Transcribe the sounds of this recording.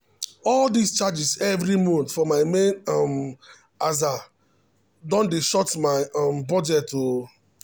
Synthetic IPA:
ɔldist͡ʃad͡ʒisɛvɾimɔ̃ntfɔmaɪmẽnɔm | aza | dɔ̃ndeʃɔtmaɪɔ̃mbɔd͡ʒɛto

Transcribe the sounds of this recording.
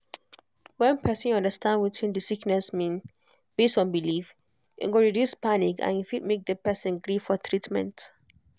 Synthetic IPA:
wɛ̃npʰɛsə̃nɔ̃ndəstãndwitʰĩndisiknɛsmĩn | b̥estɔ̃nbilif | ḭ̃ɡoɹidjuspanikã̰nifit̚mek̚dəpɛsə̃nɡɾifɔtʰɹitmɛ̰̃nt

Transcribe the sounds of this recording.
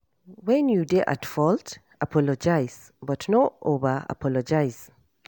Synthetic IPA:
wɛ̃njudeʔa̰tfɔlt | ʔapʰɔlɔd͡ʒaɪz̥ | bɔtnoʔovəa̰pʰɔlɔd͡ʒajz̥

